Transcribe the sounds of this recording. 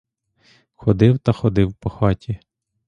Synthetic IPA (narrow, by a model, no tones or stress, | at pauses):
xɔd̪ɪwt̪ɐxɔd̪ɪwpɔxɑtʲi